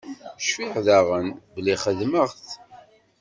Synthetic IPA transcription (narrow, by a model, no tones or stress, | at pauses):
ʃfiħðaʁənbəlːiχəðməʁθ